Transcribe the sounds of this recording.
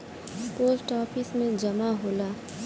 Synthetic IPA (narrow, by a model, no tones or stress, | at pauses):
poːsʈɔːfɪsmẽd͡ʒɐmaɦoːlaː